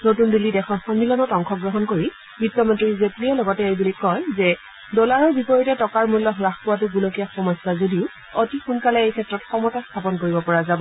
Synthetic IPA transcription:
notundulidɛkʰɔnxɔnːilɔnɔtɔŋkʰɔɡɹɔɦɔnkoɹi | bitːɔmɔntɹizepliɛlɔɡɔtɛejbulikɔjzɛ | dɔlaɹɔɹbipɔɹitɛtɔkaɹmulːɔɦɹaxpɔwatʊɡulɔkijaxɔmɔsazodiʊ | otixunkalɛejkʰɛtɹɔtxɔmɔtastʰapɔnkoɹibɔpɔɹazabɔ

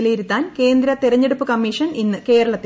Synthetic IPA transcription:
liɾut̪ːaːnke̞ːnd̪ɾɐt̪iɾɐɲːeɽupːɨkɐmːiːʂɐninːɨke̞ːɾɐɭɐt̪ː

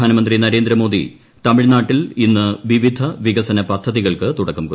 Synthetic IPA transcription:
aːnɐmɐnd̪rinɐɾe̞ːnd̪ɾɐmo̞ːd̪ḭ | t̪ɐmiɻnaːʈːilinːɨʋiʋid̪ʱɐʋiɣɐsɐnɐpɐd̪ʱːɐðiɣɐɭkɨt̪uɽɐkːumku

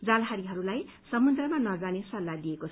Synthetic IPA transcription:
d͡zalɦaɾiɦʌɾulaj | sʌmud̪rʌmanʌd͡zanesʌlːad̪iekot͡sʰ

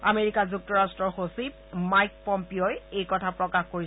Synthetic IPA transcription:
ameɹikazuk̚tɔɹastɹɔɹxosib̚ | majk̚pɔmpiojejkɔtʰapɹɔkaxkoɹi

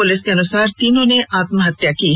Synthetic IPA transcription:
ʊlɪskeɐnʊsaːɾt̪iːnõneʔaːt̪mɦɐt̪ːjakiː

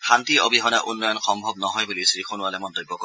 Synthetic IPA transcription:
xʰantiobʱiɦɔnaʔunːɔjɔnxɔmbʱɔb̚nɔɦɔjbulisɹixonʊalɛmɔntojbːɔk

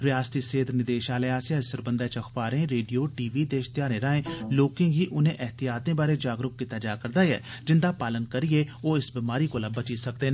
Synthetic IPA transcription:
ɾɪaːst̪iːseːd̪nɪd̪eːʃaːleːaːsjaːsəɾbənd̪ɛːt͡ʃəkʰpaːɾẽːɾeːɖijoːʈiːʋiːd̪eːʃt̪ɪjaːɾẽːɾãːẽːloːkɪ̃ŋɡɦiːʔʊnẽːʔɛɦt̪ɪjaːt̪ẽːbaːɾeːd͡ʒaːɡɾʊk̚kːiːt̪aːd͡ʒaːkəɾd̪aːjɛ̰ː | d͡ʒɪnd̪aːpaːlənkəɾijeːoːɪsbimaːɾiːkoːlaːbət͡ʃiːsəkd̪eːnː

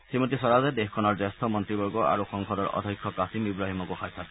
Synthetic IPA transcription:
simɔt̪isɔɾazɛd̪exkʰɔnɔɹzest̪ʰɔmɔnt̪ɹibɔɹɡɔa̰ɹuxɔŋkʰɔdɔɹɔ̰d̪ʱɔjkʰːɔkasimibɹaɦimɔkuxajt̪ʰat̪

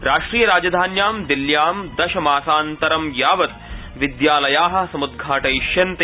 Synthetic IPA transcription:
ɾaːʂʈɾiːjɐɾaːd͡ʒɐd̪ʱaːnjaːmd̪iljaːmd̪ɐʃɐmaːsaːnt̪ɐɾɐmjaːʋɐt̪̚ | ʋid̪jaːlɐjaːɦɐ̆sɐmud̪̚ɡʱaːʈɐiʃjɐnt̪ɐ

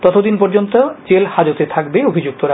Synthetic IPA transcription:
t̪ɔt̪ʰod̪inpɔɾd͡ʑont̪od͡ʑelhad͡ʑot̪et̪ʰakbeobʱid͡ʑuk̚t̪oɾa

